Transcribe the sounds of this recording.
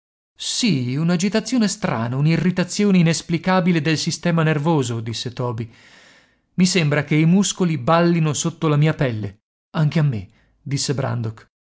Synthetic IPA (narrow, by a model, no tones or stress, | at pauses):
siunad͡ʒit̪at̪sːjoːnest̪ɾa̰ːnaunirːit̪at̪sːjoːneinesplikaːbiled̪elsist̪ɛːmanervoːzod̪isːet̪ɔːbi | misembɾakeimuskolibalːinosot̪ːolamiːapɛlːḛ | aŋk̟eamːe | d̪isːebɾa̰nd̪ok